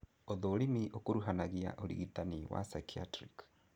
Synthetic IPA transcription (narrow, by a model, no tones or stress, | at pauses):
oðolimiʔokoɾuɦanaɣia̰ʔolḭɣitaniwa̰sakʰia̰tɾik